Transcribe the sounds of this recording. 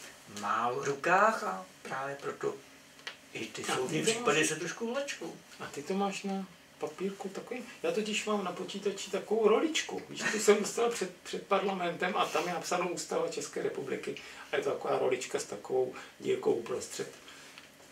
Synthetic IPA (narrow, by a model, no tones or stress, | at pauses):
maːɾukaːxapɾaːvjɛpɾot̪o | ʔɪt̪ɪsaoɪpimpadɛʃɛt̪ɾoʃkuvlɛt͡ʃkowʔat̪ɪt̪omaːʃna | papiːɾkut̪akovimjaːt̪ocɪʃmaːmnapot͡ʃiːt̪at͡ʃɪt̪akovowɾo̞lɪt͡ʃkṵviʃt̪osɛmdost̪alapr̥ɛt̪pr̥ɛt̪̚paɾlamɛnt̪ɛmʔat̪amjɛnapsanowʔuːst̪avat͡ʃɛskɛːɾɛpublɪkɪajɛt̪ot̪ako̞va̰ːɾo̞̰lɪt͡ʃkast̪akovowɲḭako̰wpɾost̪r̝̥ɛt̪